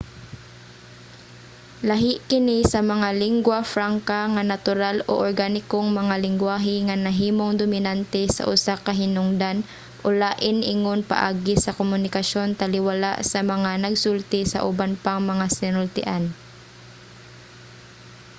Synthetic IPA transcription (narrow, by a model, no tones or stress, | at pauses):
lɐɦɪʔkɪnisɐmɐŋalɪŋɡwafɾaŋkaŋanat̪ʊɾalo̰ʔoɹɡanɪkoŋmɐŋalɪŋɡwaːɦɪŋanɐɦiːmoŋd̪ʊmɪnant̪ɛsɐ̰ʔʊsakɐɦɪnʊŋd̪an | ʔolaːʔɪnʔɪŋonpɐ̰ʔa̰ːɡɪsɐkomʊnɪkɐʃo̞nt̪ɐlɪwala̰ʔsɐmɐŋanɐɡsult̪ɪsɐ̰ʔʊbanpaŋmɐŋasɪnʊlt̪ɪ̰ʔan